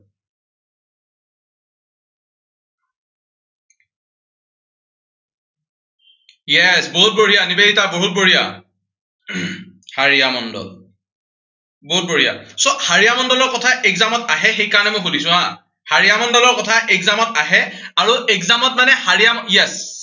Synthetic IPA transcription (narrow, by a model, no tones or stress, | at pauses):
jɛsboɦut̚boɹijanibeitaboɦut̚boɹija̰ | haɹijamɔndɔ̰l | boɦut̚boɹija̰sɔhaɹijamɔndɔlɔɹkɔtʰaʔɛɡzamɔtaɦɛxejkaɹɔnɛmɔ̃jkʰudisʊ̃a | haɹijamɔndɔlɔɹkɔtʰaʔɛkzamɔtaɦɛaɹuɛkzamɔt̚manɛhaɹijamjɛs